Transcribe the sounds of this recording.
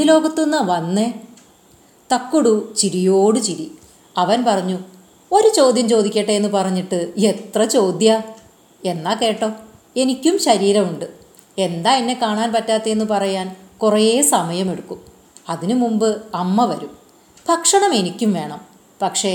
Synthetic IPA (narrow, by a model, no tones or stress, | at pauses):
ilo̞ːɡɐt̪ːunːɐʋɐnːe | t̪ɐkːuɽut͡ɕiɾijo̞ːɽɨt͡ɕiɾi | ɐʋɐnpɐrɐɲːu | o̞ɾut͡ɕo̞ːd̪jɐmt͡ɕo̞ːd̪ikʲːeʈːejenːɨpɐrɐɲːiʈːɨe̞t̪rɐt͡ɕo̞ːd̪jɐ | e̞nːaːke̞ːʈːo̞ː | e̞nikʲːumɕɐɾiːɾɐmuɳɖɨ | e̞nd̪aːinːe̞kaːɳaːnpɐtːaːt̪ːeenːɨpɐrɐjaːnkurɐeːsɐmɐjɐme̞ɽukːum | ɐðinɨmumbɨɐmːɐʋɐɾum | pɐkʂɐɳɐme̞nikʲːumʋe̞ːɳɐm | pɐkʂe̞